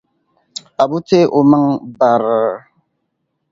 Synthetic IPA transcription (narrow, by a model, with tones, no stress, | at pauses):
a˨bu˦te˦ʔo˨ma˦ŋba˨ɾ